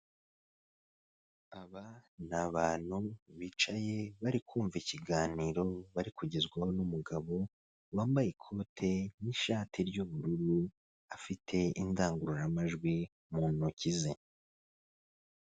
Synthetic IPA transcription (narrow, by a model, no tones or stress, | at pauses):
aβanaβaːn̥huβiːt͡ʃaje̞βaɾikuːɱviciɡaːniːɾo̞βaɾikuɟezɡwaho̞numuɡaβo̞ | waːmbajekʰo̞ːtʰe̞niʃaːtʰiɾɟuβuɾuɾu | afitʰe̞indaːŋɡuɾuɾamaʒɡwi | muːnucize